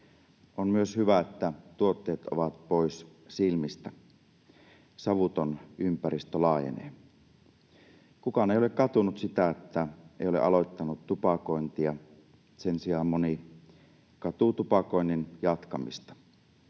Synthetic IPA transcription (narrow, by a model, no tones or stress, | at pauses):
ʔonmyøshyʋæet̪ːæt̪uot̪ːeːt̪oʋɑt̪̚pois | silmist̪æ | sɑʋut̪onympæɾist̪ølɑːjḛnḛːn | kukɑneijolekkɑt̪unut̪sit̪æet̪ːæeˑijoleʔɑ̰lojt̪ːɑnut̪t̪upɑkoint̪iɑ | sensiɑːmmoni | kɑt̪ut̪upɑkoinːinjɑt̪kɑmḭst̪ɑ̥